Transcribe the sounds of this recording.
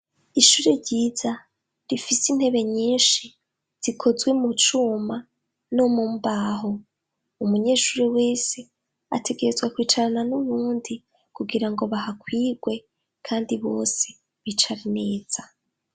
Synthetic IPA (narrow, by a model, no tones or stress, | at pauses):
iʃuːɾeɾɟiːza | ɾifisin̥he̞βe̞ɲiːnʃi | z̥ikʰo̞zɡwe̞mut͡ʃuːma | nomumbaːɦo̞ | umuɲe̞ːʃuːɾiwe̞ːse̞ | a̰tʰe̞ɡe̞ɾezwakwiːt͡ʃaɾananuβuːndi | kuɡiɾaŋɡo̞βahakwiːɡwe̞ | kʰaːndiβo̞̰ːse̞ | βit͡ʃaɾine̞ːz̥a